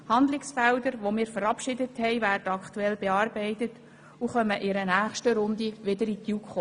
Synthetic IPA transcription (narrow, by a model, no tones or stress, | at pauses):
hɑnd̪lɪksfɛldəɾʋomɪːɾfəɾɑpʃɪdəthɛɪvæːrd̥əɑktuɛlb̥eɑːrbɛɪtət | uχœməʔɪɾənæːχʃtəɾʊnd̪iʋɪdəɾitjukχo